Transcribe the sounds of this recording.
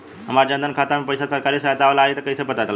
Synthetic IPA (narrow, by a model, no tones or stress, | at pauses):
ɦəmaɾd͡ʒənd̪ənkʰat̪amepəjsasəɾkaɾisəɦat̪aʋlaːɦet̪əkəjsəpət̪at̪l